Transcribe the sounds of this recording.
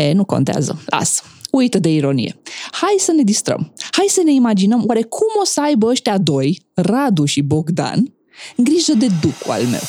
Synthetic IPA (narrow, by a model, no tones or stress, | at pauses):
enuko̞̰nt̪ea̰zə̰lʔa̰sujt̪əd̪e̞iɾo̞nḭje̞̰hajsəne̞d̪ist̪ɾə̰mhajsəne̞imad͡ʒinəmwaɾe̞kʰumo̞səajbəəʃt̪ead̪o̞jrad̪uʃibo̞ɡd̪a̰n | ɨŋɡɾiʒəd̪e̞d̪ukua̰lme̞̰w